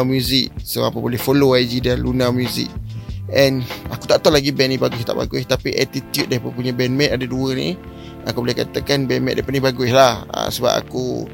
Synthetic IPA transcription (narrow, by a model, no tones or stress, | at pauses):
mjuzɪk̚səapəbolɛhfoloajd͡ʒidanlunamjuzɪ̰k̚ɛnakut̪aʔt̪ɔʔlaɡibɛʔnĩbaɡust̪aʔba̰ɡut̪apiʔat̪it̪jut̪̚dapəpuɲə̃bɛnmɛ̃t̪̚adaduənḭ | akubolɛhkat̪akanbɛnmɛt̪̚dapatniɦbaɡʊslaha̰səba̰p̚a̰ku